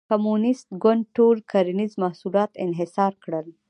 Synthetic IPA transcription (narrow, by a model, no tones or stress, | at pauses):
kamunɪst̪ɡʊɳɖ̚ʈoɾkʰaɾinizmahsulɑt̪ɪnɦɪsɑɾkɽəl